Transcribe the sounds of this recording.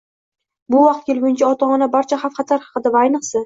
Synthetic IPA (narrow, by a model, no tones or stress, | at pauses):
bʊvɑqt̪̚kʲelˠɡʲʊnt͡ʃʰaɒt̪ʰɒmɨnabaɾt͡ʃʰaχafχɑt̪ʰaɾhɑ̥qɨd̪avaajnɨqsɪ